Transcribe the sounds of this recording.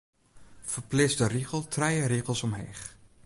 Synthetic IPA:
fərplɪsdəriɣəlˠtrɛjəɾiɣəlˠsɔmɦḛːχ

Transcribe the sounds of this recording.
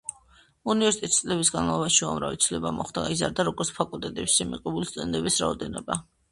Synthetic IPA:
univɛɾsit̪ʼɛt̪ʰsʼlɛbisɡanmalˠɔbaʃiuamɾavḭt̪sʰvlɛbamɔχd̪aɡaizaɾd̪aɾɔɡɔɾt̪spʰakʼult̪ʼɛt̪ʼɛpsimḭqʼɛbulist̪ʼɛnd̪ɛbisɾaɔd̪ɛnɔba

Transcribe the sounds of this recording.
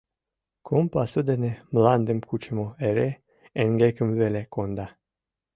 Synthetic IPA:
kʰompasud̪enemland̪emkut͡ʃemoeɾe | enɡekɨmvelekond̪a

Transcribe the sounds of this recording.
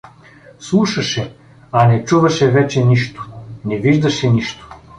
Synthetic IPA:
slˠuʃɐʃɛ | ɐnɛt͡ʃuvɐʃɛvɛt͡ʃɛniʃt̪o̥nɛviʒd̪ɐʃɛniʃt̪o̥

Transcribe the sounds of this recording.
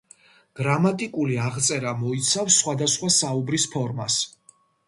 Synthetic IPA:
ɡ̥ɾamat̪ʼikʼuliaʁt̪sʼɛɾamɔit̪sʰafsːχwad̪asχwasaubɾispʰɔɾmas

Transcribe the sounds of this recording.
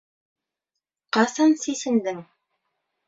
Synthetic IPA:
qɑsɑnsisɘ̆nd̪ɘŋ

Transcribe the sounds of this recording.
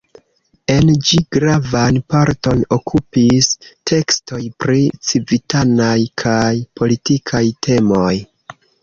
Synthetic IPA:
e̞nd͡ʒiɡ̥ɾavanpaɾto̞no̞kʰupistʰe̞ksto̞jpɾit͡sivitʰanajkʰajpo̞litikʰajtʰe̞mo̞j

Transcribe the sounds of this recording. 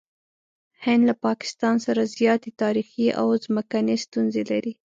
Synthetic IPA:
hɪnd̪lapɑkɪ̥st̪ɑnsaɾazjɑt̪et̪ɑɾixiʔa̰wzməkanest̪unzelaɾi

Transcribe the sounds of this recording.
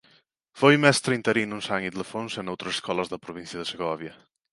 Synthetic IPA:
fojmɛst̪ɾəint̪əɾinunsaŋid̪ləfonsenowt̪ɾəsə̥skɔləzðəpɾuβ̞insjəðəsəɣɔβjə

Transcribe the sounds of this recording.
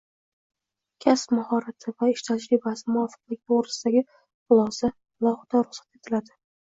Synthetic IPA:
kʲʰaspmahɒɾat̪ʰɪvaɪʃt̪ʰad͡ʒɾɪbasɪmʊɒfɨ̥q̚lɪɡʲaoɾɪsɪd̪aɡʲɪ | qʊlˠɒza | lˠɒhɪd̪̥aɾʊχsat̪e̞t̪ʰɪlad̪ɪ

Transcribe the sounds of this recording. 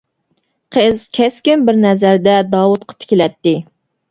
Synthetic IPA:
qʰəz̥kʲʰɛskʲɪnbɪɾnɛzæɾd̪ɛd̪ɑːwut̪̚qʰɑ̥t̪ʰɪ̥kʲilɛt̪ːɪ

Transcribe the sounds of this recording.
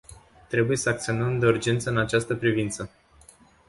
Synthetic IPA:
t̪ɾe̞buje̞səak̚t̪sio̞nəmd̪e̞urd͡ʒe̞nt̪səɨnat͡ʃast̪əpɾivint̪sə

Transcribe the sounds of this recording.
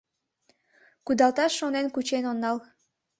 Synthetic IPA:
kud̪ɑlˠt̪ɑʃːonenkut͡ɕenonːɑl

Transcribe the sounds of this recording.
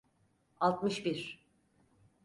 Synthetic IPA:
alˠt̪mɯʃbiɾ

